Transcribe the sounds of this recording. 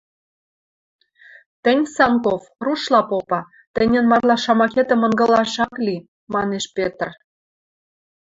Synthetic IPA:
t̪ə̆nʲsɑŋkofruʃlɑpopɑ | t̪ə̆nʲə̆nmɑrlɑʃɑmɑket̪ə̆mə̆nɡɤ̆lɑʃɑkli | mɑneʃpʲet̪r

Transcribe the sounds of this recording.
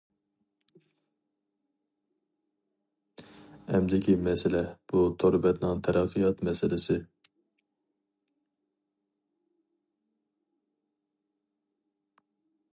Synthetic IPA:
ɛmd̪ɪkʲimɛsɪlɛb̥ut̪ʰoɾɨbɛt̪nɨŋt̪ʰɛɾæqʰːɨjɑt̪mɛsɪlɪsɪ

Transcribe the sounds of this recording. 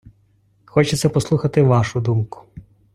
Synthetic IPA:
xɔt͡ʃɛt̪sɛpɔslˠuxɐt̪ɪʋɑʃʊd̪umkʊ̥

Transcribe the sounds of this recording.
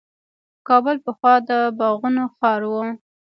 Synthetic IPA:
kɑbəlpəxwɑd̪əbɑɣunoxɑɾwə

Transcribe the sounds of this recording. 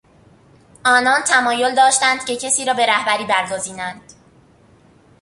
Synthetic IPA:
ʔɒːnɒːnt̪ʰæmɒːjold̪ɒːʃt̪ænd̪̥ce̞cʰesiːɾɒːbe̞ɾæhbæɾiːbæɾɡoziːnænd̪̥

